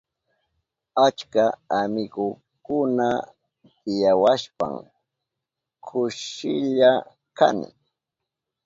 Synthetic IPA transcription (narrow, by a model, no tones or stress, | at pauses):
at͡ʃkaamɪɡʊ | kʊna | t̪ɪjawaʃpa̰ŋ | kʰʊʃɪʎa | ka̰nɪ̰